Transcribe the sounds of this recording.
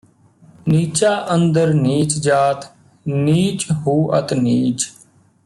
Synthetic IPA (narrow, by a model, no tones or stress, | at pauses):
niːt͡ʃaːʔənd̪əɾniːt͡ʃd͡ʒaːt̪ | niːt͡ʃɦuːʔət̪niːt͡ʃ